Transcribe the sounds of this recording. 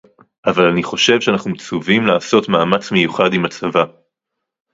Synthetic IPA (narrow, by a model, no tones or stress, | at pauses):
ʔavalaniχo̞ʃe̞vʃeanaχnumt͡suvimlaːso̞tmaːmat͡smejuχadimat͡sava